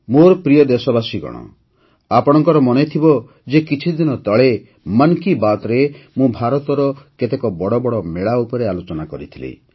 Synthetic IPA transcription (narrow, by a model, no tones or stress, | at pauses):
moɾɔpɾijɔd̪esɔbasiɡɔ̰ɽ̃ɔ̰ | apɔɽ̃ɔŋkɔɾɔmɔnet̪ʰibɔ | d͡ʒekit͡ʃʰid̪inɔt̪ɔɭe | mankibat̪ɔɾemũbʱaɾɔt̪ɔɾɔket̪ekɔbɔɽɔbɔɽɔmeɭaupɔɾealot͡ʃɔnakɔɾit̪ʰilḭ